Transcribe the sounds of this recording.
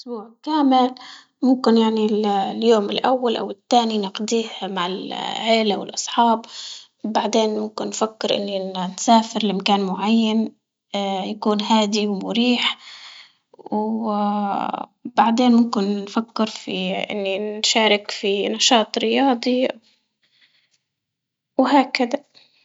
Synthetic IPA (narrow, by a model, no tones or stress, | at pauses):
ʔʊsbuːʕkaːmɪl | mʊmkɪnjaʕnilljoːmɪlʔawːalʔa̰wɪt̪ːaːninɪqd̪iːhmaʕɪlʕeːlawɪ̰lʔɑsˤħɑːb | baʕd̪eːnmʊmkɪnːfakːɪɾʔɪ̰nːinsaːfɪɾɪlʔɪmkaːnmʊʕajːan | jakuːnɦaːd̪iwmʊɾiːħ | w | baʕd̪eːnmʊmkɪnːfakːɪɾfiʔɪ̰nːinnʃaːɾɪkfinɑʃɑːt̪ˤɾɪjɑːd̪ˤi | whaːkad̪a